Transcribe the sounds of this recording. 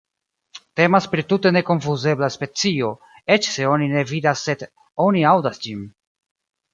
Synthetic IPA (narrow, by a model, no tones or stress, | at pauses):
te̞maspɾitute̞ne̞koɱfuze̞blaspe̞t͡sio̞ | e̞t͡ʃse̞o̞nine̞vidasːe̞d | o̞niawdasd͡ʒin